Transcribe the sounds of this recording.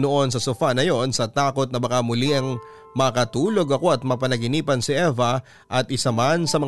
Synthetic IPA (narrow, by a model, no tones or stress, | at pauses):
noʔo̞nsɐsʊfanɐjo̞nsɐt̪aːko̞t̪̚nɐbɐkamʊliɐŋ | mɐkɐt̪uːlo̞ɡɐko̞ɐt̪̚mɐpɐnɐɡɪniːpɐnsɪʔɛvɐ | ʔɐt̪ɪsɐmansɐmɐ